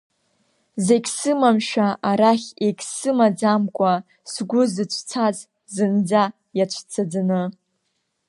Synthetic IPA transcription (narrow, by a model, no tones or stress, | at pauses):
zeɡʲsɨmamʃᶣaaɾaχʲeɡʲsɨmad͡zamkʷʼa | sɡʷʊzɨt͡ɕʷʰt͡sʰaz | zɨnd͡za | jat͡ʃʷʰt͡sʰad͡zɨnɨ